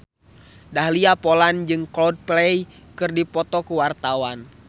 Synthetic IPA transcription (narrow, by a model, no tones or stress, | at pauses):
dahliapɔland͡ʒɨŋklɔd̚plɛj | kɨrdipɔt̪ɔkuwart̪awan